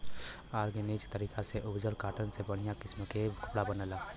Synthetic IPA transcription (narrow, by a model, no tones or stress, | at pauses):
aːɾɡenit͡ʃt̪əɾiːkaseʔʊbd͡ʒəlkaːʈʰənsebəɽ̤̃ijakɪsmkekəpɽabənəla